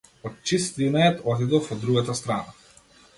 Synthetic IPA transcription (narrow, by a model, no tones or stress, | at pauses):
ɔt̪̚t͡ʃist̪inaɛt̪ɔt̪id̪ɔfɔd̪ːɾuɡat̪ast̪ɾana